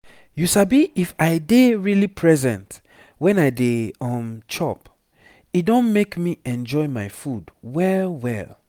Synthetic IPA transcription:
jusabiʔifajdeɹilipʰɹɛzɛ̃nt | wɛ̃naɪdeɔ̃mt͡ʃɔp | it̚dõnmekmiɛ̃nd͡ʒɔjmajfudwɛlwɛ̰l

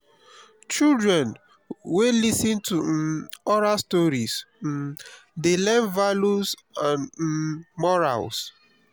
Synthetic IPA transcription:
t͡ʃildɹɛ̃n | welisĩntʰuɔɹastɔɹis | delɛ̃nvalusãn | mɔɹa̰ls

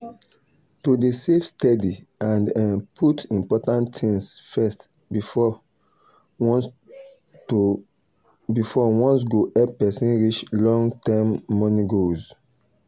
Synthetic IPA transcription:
tudesefstɛdi | ãndãnpʰutĩmpɔtãnttʰĩŋsfɛst | bi | bifɔwɔ̃ns̬ɡoʔɛpɛsĩnɹit͡ʃlɔ̃ŋɡtɛmːɔniɡoz

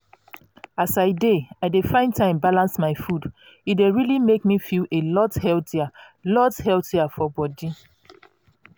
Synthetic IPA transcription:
asaɪdeaɪdefãɪ̃ntʰãɪ̃mbalãnsmaɪfud | itdeɹilimek̚mifilelɔthɛlθia | lɔthɛltiafɔbɔdi

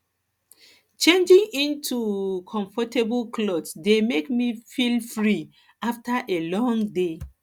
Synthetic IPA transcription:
t͡ʃẽnd͡ʒĩŋĩntʰukʰɔ̃ɱfɔtebulkʰlɔdsdemekmifilfɹi | aftaʔelɔ̃ŋde

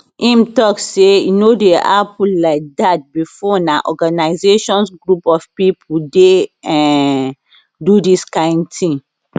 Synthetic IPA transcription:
ʔĩmtɔksejunodeapʰulaɪk̚dat̚bifɔnaʔɔɡanaɪzeʃɔ̃nsɡɹupɔfpipʰudeɛ̃ | dudiskãɪ̃ndtĩŋ

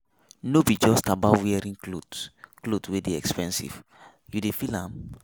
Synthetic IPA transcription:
nobid͡ʒɔstabawɛɹĩŋoklotwedeɛkspɛ̃nsḭv̥ | judefilãm

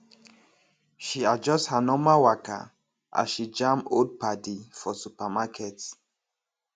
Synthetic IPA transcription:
ʃiad͡ʒɔsthənɔmawaka̰ | ʔa̰zʃid͡ʒãmod̚pʰadifɔsupamakʰɛts

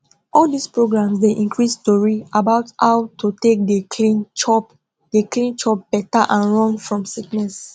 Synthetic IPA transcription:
ɔldispɹoɡɹãmsdeʔĩŋkɹistɔɹiabaʊthawtutek̚dekʰlĩnt͡ʃɔp | deklĩnt͡ʃɔp̚b̥ɛtaʔãnɹɔ̃nfɹɔ̃msiknɛs

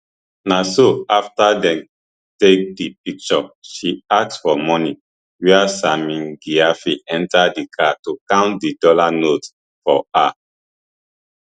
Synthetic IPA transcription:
nasoaftadɛ̃m | tek̚dipik̚t͡ʃɔʃiak̚tsfɔmɔni | wɛasamĩnɡiafiɛ̃ntadikʰatukãʊ̃ntdidɔlanot | fɔa

